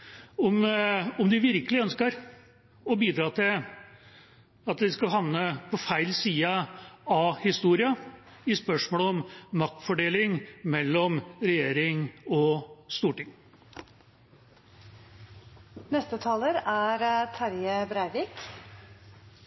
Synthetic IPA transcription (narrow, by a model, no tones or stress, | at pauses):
ɔmɔmd̪ɪʋɪɾkəlɪœnskəɾ | ɔbiːd̪ɾɑːt̪ʰɪl | ɑt̪d̪ɪskɑɦɑnnːəpʰɔfæɪlsiːɑɑhɪst̪uːɾɪɑ | ɪspœʂmoːlɔmːɑk̚t̪fɔɖeːlɪŋmɛlːɔmɾɛjeːɾɪŋɔst̪uːʈɪŋː | nɛst̪ət̪ʰɑːləɾæɾt̪ʰɑɾjəbɾæɪʋiːk